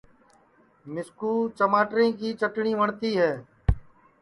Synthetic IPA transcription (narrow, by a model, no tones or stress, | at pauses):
mɪskuːt͡ʃəmaːʈɾẽːkiːt͡ʃəʈɳiːʋəɳt̪iːɦɛː